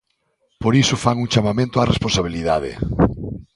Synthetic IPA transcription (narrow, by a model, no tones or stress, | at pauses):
poɾisʊfaŋuŋt͡ʃamamẽnt̪oaresponsaβ̞iliðað̞ḛ